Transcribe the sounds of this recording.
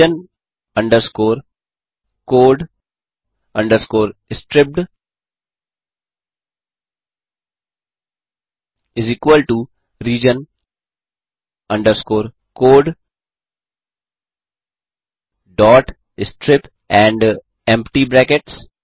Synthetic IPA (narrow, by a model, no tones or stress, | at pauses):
ə̃n | ʌ̃ɳɖəɾskoːɾ | koːɖ | ʌ̃ɳɖəɾskoːɾɪsʈɾɪp̚ʈ | ɪziːkwəlʈu | ɾiːd͡ʒə̃n | ʌ̃ɳɖəɾskoːɾ | koːɖ | ɖɔːʈ | ɪsʈɾɪp | ɛ̃ɳɖ | ɛ̃mpʈibɾækeʈs